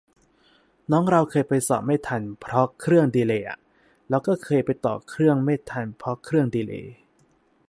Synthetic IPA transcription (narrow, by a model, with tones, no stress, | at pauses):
nɔː˦˥ŋɾa˧wkʰɤː˧jpa˧jsɔ̰ː˨˩p̚maː˥˩t̪ʰa˧npʰɾɔ˦˥kʰɾɯ˥˩əŋdiː˧leː˧ʔa̰˨˩ | lɛː˦˥wkɔː˥˩kʰɤː˧jpa˧jt̪ɔ̰ː˨˩kʰɾɯ˥˩əŋmeː˥˩t̪ʰa˧npʰɾɔ˦˥kʰɾɯ˥˩əŋdiː˧lḛː˧˩